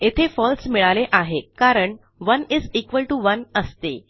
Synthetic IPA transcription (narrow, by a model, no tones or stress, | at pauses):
et̪ʰefɔlsmiɭaleʔaɦekaɾəɳ | ʋənizikʋəlʈuʋənəst̪ḛ